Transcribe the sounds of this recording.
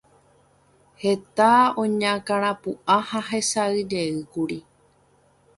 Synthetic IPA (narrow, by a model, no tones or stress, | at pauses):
het̪aõɲãkaɾ̃ãpuãhaɦe̞saɨd͡ʒeɨkuɾi